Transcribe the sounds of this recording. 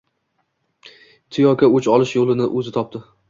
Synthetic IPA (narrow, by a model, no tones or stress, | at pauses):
t̪ʰɪjɒkʲaʊt͡ʃɒlˠɪʃjolɪnɪʔɵzɪt̪ʰɒp̚t̪ʰɪ